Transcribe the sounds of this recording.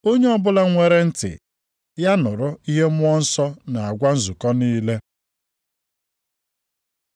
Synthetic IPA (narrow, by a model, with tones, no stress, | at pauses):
o˦ɲe˦ɔ˦bʊ˦la˦ŋʷe˨ɾe˦n̩˦tɪ̰˨ | ja˦nʊ˨ɾʊ˦i˦ɦe˦mʊ˦ɔ˦n̩˦sɔ˦na˨a˨ɡʷa˦n̩˦zu˨kɔ˦niː˦le˦